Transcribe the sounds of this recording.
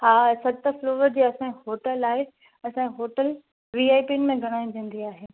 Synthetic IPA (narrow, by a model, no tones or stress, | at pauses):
haːsɐt̪əfloːʋəɾd͡ʑiːɐsãːiɦoːʈəlaːɦe | ɐsãːɦoːʈəl | ʋiaːɪpiːnmẽɡʱɐɽ̃aːĩd̪ʱẽːn̆d̪iaːɦeː